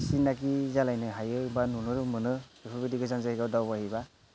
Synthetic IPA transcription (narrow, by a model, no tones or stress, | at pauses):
sinːakizalajnɯɦajɯibanunɯɾɯmɯnɯbipʰabidiɡɯzanzahiɡawdawbahiba